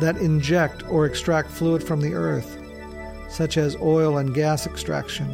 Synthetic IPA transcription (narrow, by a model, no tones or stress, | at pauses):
ðɨɾɪ̃nd͡ʒɛk̚tʰə˞ɨkstɹ̥æk̚tfluəd̥fɹʌ̃mðiʔɜ˞θ | sʌt͡ʃɨzɔɪlˠə̃nɡæsɨkstɹ̥æ̰kʃɨ̃n